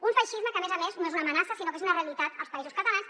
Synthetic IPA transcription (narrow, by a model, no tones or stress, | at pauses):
uɱfaʃizməkəmezəmenznoezunəmənasəsinokezunəreəlit̪at̪əlˠspɐezuskət̪ɐlans